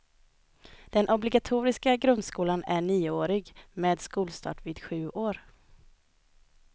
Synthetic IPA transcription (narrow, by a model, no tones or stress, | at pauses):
d̪̥ɛnʔɔblɪɡat̪ʰuːɾɪskaɡɾɵnd̪skuːlanæɳiːoːɾɪɡmeːd̪skuːlst̪ɑ̰ːʈviːd̪ɧʉ̟ːʔoːɾ